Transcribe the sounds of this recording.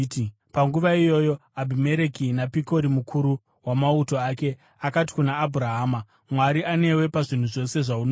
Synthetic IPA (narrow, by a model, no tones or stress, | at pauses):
paŋɡuʋaijo̞jo̞abʱime̞ɾe̞kinapiko̞ɾimukʰuɾu | wamauto̞ake̞ | akati̥kunaːbʱuɾaɦaːma | mwaɾiane̞we̞paʐin̤uʐo̞se̞ʐaun